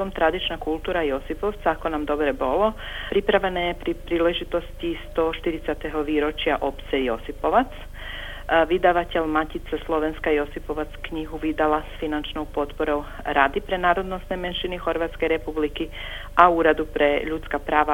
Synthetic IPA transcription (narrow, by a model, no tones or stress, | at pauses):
omt̪ɾad̪it͡ʃnakulˠt̪uːɾajo̞sipoʋt̪saako̞namd̪o̞bɾebolo̞ | pɾipɾaʋanajepɾipɾiːleʒit̪o̞st̪ist̪oʃt̪iɾit̪sat̪eɦoʋiɾot͡ʃiaʔo̞pt̪sɛjo̞sipo̞ʋat̪s | ʋid̪aʋatelmacit̪saslˠo̞ʋenskajo̞sipo̞ʋat̪skɲiɦuʋid̪alasfinant͡ʃnowpo̞t̪poɾo | ɾaːd̪ipɾenaːɾod̪no̞st̪no̞jmenʃinixo̞ɾʋat̪skeɾepubliki | auɾad̪upɾeʎut̪skapɾaːʋa